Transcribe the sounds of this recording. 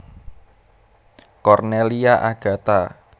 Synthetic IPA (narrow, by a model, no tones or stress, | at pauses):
kɔrneliaʔaɡ̥ä̤t̪a